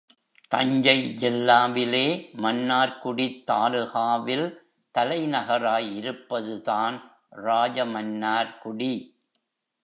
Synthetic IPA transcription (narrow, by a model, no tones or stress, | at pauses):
t̪ɐɲd͡ʒɐɪd͡ʒɛlːaːʋɪleːmɐnːaːɾkʊɽit̪ːaːlɯɣaːʋɪl | t̪ɐlɐɪnɐɣɐɾaːjɪɾɯpːɐðɯðaːn | ɾaːd͡ʒɐmɐnːaːɾkʊɽi